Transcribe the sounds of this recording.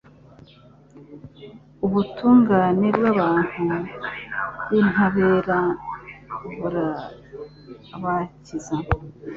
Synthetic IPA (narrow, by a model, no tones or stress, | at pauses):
uβutʰuːŋɡaːne̞bɡwaβaːn̥hu | jinhaβeɾa | βuɾa | βaciza